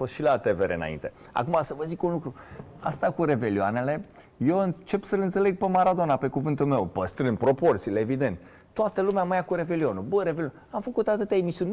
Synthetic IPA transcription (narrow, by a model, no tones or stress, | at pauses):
fost̪ʃilat̪eveɾeɨna̰ḭnt̪e̞ | a̰kumasəvəzikunlukɾu | a̰st̪akuɾe̞ve̞lioa̰ne̞le̞ | jewɨnt͡ʃe̞psəlɨnt̪se̞le̞ɡ̚pemaɾad̪onape̞kuvɨnt̪ulme̞wpəst̪ɾɨnd̪̚pɾo̞po̞rt̪sileevid̪e̞nt̪ | t̪ːoat̪əlumeaməjakuɾe̞ve̞lionubəɾe̞velion | amfəkut̪at̪ɨt̪jaemisiun